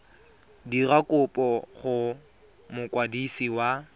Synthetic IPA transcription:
dirakʼʊpʼɔχʊ | mʊkʼwadisiwa

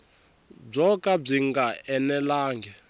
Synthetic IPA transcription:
b͡ʐɔkʼab͡ʐiŋɡaɛnɛlaːŋɡɛ

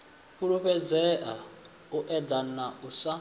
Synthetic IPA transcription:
ɸuɺuɸɛd͡zɛʔa̰ | uʔɛd̪anausa

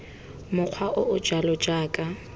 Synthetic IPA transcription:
mʊq͡χʰwaʔʊʔʊd͡ʒalɔd͡ʒaːkʼa

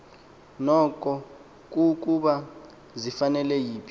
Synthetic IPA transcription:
nɔkʼɔ | k̬ʼuk̬ʼuɓa | zifanɛlɛjiːpʰi

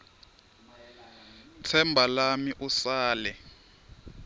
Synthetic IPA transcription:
tʰɛmbʱalamiʔusaːlɛ

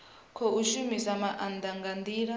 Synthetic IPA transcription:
kʰɔuʃumisamaʔand̪aŋɡand̪iːɺa

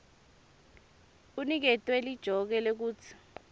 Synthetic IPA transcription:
k̬unik̬ɛtʼwɛlid̥ʒ̥ʱɔk̬ɛlɛk̬uːt͡sʰi̥

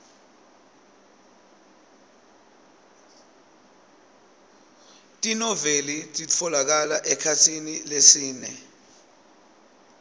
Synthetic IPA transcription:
tʼinɔvelitʼiɔlak̬alaʔɛkʰatʰinilesiːnɛ̰

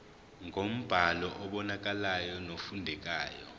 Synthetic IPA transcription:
ŋʱom̩b̥ʱalɔʔɔɓɔnak̬ʼalajɔnofundʱɛk̬ʼaːjɔ̰

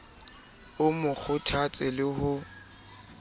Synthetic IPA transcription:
ʊmʊk͡xʰʊtʰat͡sʼɪlɪhʊ

